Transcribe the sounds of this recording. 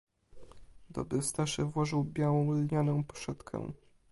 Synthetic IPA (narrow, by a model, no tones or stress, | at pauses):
d̪ɔ̰bɾɘst̪aʂɘvwɔʐɘwbʲjawɔ̃w̃lɲanɔ̃w̃pɔ̥ʂɛt̪kʰɛ̰̃